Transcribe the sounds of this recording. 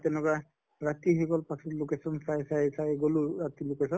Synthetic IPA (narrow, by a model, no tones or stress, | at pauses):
t̪ɛnɛka | ɹat̪iɦikɔlpasʰɔtlokesɔnsajsajsajɡoluɹat̪ilukɛsɔn